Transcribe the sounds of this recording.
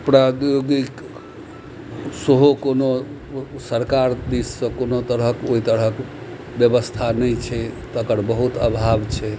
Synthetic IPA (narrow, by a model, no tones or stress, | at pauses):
pɾad̪joɡik | səɦokono | səɾkaɾd̪isːə̃konot̪əɾəkoɦit̪əɾək | bjəbəst̪ʰanəjt͡ʃʰɛt̪əkəɾbəɦut̪ə̰bʱabt͡ʃʰɛ